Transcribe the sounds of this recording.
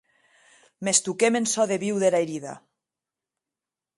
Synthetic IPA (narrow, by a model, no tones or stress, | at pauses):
mest̪ukemensɔðeβiwðelaeɾiða̰